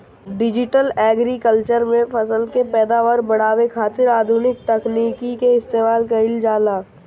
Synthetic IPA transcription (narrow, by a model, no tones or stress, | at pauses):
ɖɪd͡ʒɪʈəlɛːɡɾikəlt͡ʃəɾmẽfɐsəlkepɛːd̪aːʋaɾbɐɽ̤aːwekʰaːt̪ɪɾaːd̪ʱunɪk̚t̪ɐkniːkikeɪst̪eːmaːlkaɪld͡ʒaːlaː